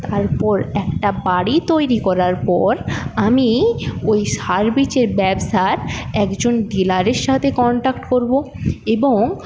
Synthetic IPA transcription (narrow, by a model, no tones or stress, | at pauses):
t̪aɾpɔɾɛkʈabaɽit̪ojɾikɔɾaɾpɔɾamiojʃaɾbit͡ɕeɾbɛbsaɾɛkd͡ʑonɖilaɾeɾʃat̪ʰekɔɳʈakʈkoɾbo | eboŋ